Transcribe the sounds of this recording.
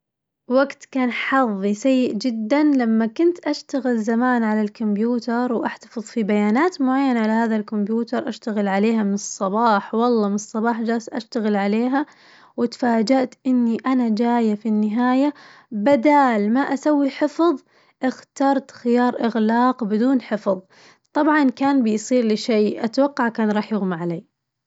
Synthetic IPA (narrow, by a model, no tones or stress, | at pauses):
waɡt̪kaːnħɑðˤːisajːɪʔd͡ʒɪd̪ːanlamːakʊnt̪ʔaʃt̪aɣɪlzamaːnʕalalkʊmbjuːt̪ɑɾˤwʔaħt̪ɑ̥fɨðˤfibajaːnaːt̪mʊʕajːanaʕalahaːðalkʊmbjuːt̪ɑɾˤʔaʃt̪aɣɪlʕaleːɦamɪnɨsˤːɑbɑːħwɑlˤːɑːmɪnɨsˤːɑbɑːħd͡ʒaːsʔa̰ʃt̪aɣɪlʕaleːɦa | wɪt̪faːd͡ʒaʔt̪ʔɪnːiʔanad͡ʒaːjafinːɪɦaːja | bad̪aːlmaʔasawːiħɪfðˤ | ʔɪxt̪ɑːɾˤt̪xɪjɑːɾˤʔɪɣlɑːqbɪd̪uːnħɪfðˤ | t̪ˤɑbʕɑnkaːnbɪjsˤiːɾlɪʃeːʔat̪awɑqːɑʕkaːnɾˤɑːħjɪɣmaʕaleː